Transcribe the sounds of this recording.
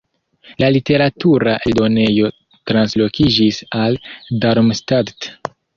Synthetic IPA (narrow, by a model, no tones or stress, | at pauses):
lalite̞ɾatuɾaʔeldo̞ne̞jo̞ | tɾanslo̞kid͡ʒisaldaɾmstaɾt